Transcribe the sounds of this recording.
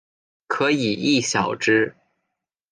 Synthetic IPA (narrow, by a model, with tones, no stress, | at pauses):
kʰɤ˧˥i˨˩i˥˩ɕjɑ˨˩ʊʈ͡ʂɻ̩˥